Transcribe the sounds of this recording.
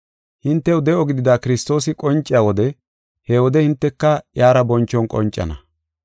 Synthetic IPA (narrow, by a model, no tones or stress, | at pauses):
hɪnt̪ːɛʊd̪ɛʔɔɡɪd̪ɪd̪aːkɪɾɪst̪o̞ːsɪkʼɔnt͡ʃʼːɪjaːwɔd̪ɛ | hɛwɔd̪ɛhɪnt̪ːɛkːɐjaːɾɐbɔnt͡ʃːɔnkʼɔ̰nt͡ʃʼːɐ̰nɐ̰